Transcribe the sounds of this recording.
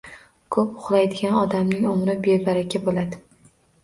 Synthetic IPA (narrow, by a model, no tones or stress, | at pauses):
kʰɵpʊχlˠajd̪ɪɡʲanɒd̪amnɪŋomɾɪbebaɾakʲʰabolad̪ɪ